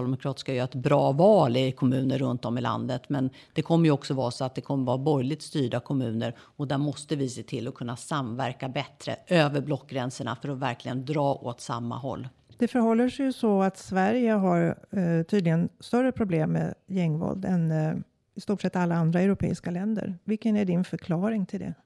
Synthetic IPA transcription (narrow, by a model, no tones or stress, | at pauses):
ld̪ɛmʊkʰɾɑːt̪ɪ̥skajœːɾaɛt̪bɾɑːvɑːlɪkʰɔmʉ̟ːnəɾːɵnt̪ɔmɪla̰nd̪ət̪mɛn | d̪̥ɛkʰɔmːəɾjɵɔksɔvɑːɾsɔat̪̚d̪ɛkʰɔmːəɾvɑːabɔjlɪɡ̚t̪st̪yːɖakʰɔmʉ̟ːnəɾ | ɔd̪æɾmɔst̪əvɪseːt̪ʰɪlːɔkʰɵnːasamvæɾkabɛt̪ɾə̰ʔøːvəɾblɔkːɡɾɛnsəɳa̰fœɾɔvæɾklɪɡənd̪ɾɑːʔot̪samːa̰ɦɔ̰lː | d̪̥ɛfœɾhɔlːəʂɛjɵsɔat̪svæɾjəɦaɾt̪ʰyːd̪lɪɡənst̪œɾːəpʰɾʊbleːmːḛːjɛŋːvɔ̰ld̪ɛn | ɪst̪uːʈʂɛt̪ːalːaand̪ɾaɛwɾʊpʰḛːɪskalɛnd̪ə̰ɾvɪlkːənæɖɪnfœɾkʰlɑːɾɪŋt̪ʰɪld̪ɛ̰